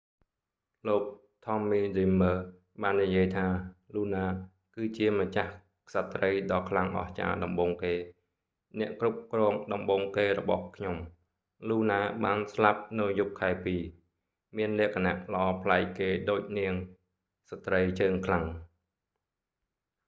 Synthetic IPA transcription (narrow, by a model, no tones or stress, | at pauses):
loːk̚ | t̪ʰɑmːiːziməː | ɓaːnːijiəjt̪ʰaːluːnaː | kɨːt͡ɕiəmat͡ɕah | sat̪rəjɗɑːkʰlaŋʔɑ̰ht͡ɕa̰ːɗɑmɓoːŋkeː | nɛ̆əʔkrup̚krɔːŋɗɑmɓoːŋkeːɾɔɓɑhkʰɲom | luːnaːɓaːnslap̚nɨwjup̚kʰːaɛpiː | miənlɛ̆əkʰana̰ʔləʔɑːpʰlaɛk̚keːɗoːc̚niəŋ | sat̪rəjt͡ɕəːŋkʰlaŋ